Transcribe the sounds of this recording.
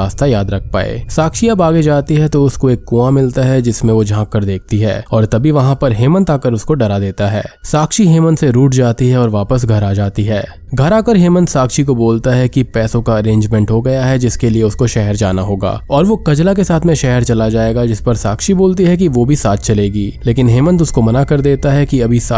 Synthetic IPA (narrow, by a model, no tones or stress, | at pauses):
aːst̪ajaːd̪ɾɐk̚ʰpa̰ːḛːsaːkʃiɐbaːɡed͡ʒaːt̪iɦɛt̪oʊskoeːkːuːamɪlt̪aɦɛd͡ʒɪsmẽʋod͡ʒʱãːkːəɾd̪eːk̚ʰt̪iɦɛ̰ːɔːɾt̪ɐbʱiʋɐɦãpɐɾɦeːmə̃nt̪aːkəɾʊskoɖɐɾad̪eːt̪aɦɛ̰ːsaːkʃiɦeːmənseɾuːʈd͡ʒaːt̪iɦɛɔːɾʋaːpəsɡʱɐɾaːd͡ʒaːt̪iɦɛː | ɡʱɐɾaːkəɾɦeːmə̃nd̪saːkʃik̬oboːlt̪aɦɛkipɛːsõkaɐɾẽːɲd͡ʒmɛ̃ɳʈɦoɡɐjaɦɛd͡ʒɪskelieʊskoʃɛɦɛɾd͡ʒa̰ːnaɦoːɡa̰ːɔːɾʋokɐd͡ʒlak̬esaːt̪ʰmẽʃɛɦɛɾt͡ʃɐlad͡ʒaːeːɡad͡ʒɪspɐɾsaːkʃiboːlt̪iɦɛk̬iʋobʱisaːt̪̚ʰt͡ʃɐleːɡiːleːkɪnɦeːmə̃nt̪̬ʊskomɐnakɐɾd̪eːt̪aɦɛkiɐbʱisa